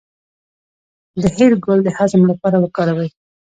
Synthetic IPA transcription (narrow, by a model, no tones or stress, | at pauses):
d̪əheɾɡʊld̪əhazmlapɑɾawəkɑɾawəj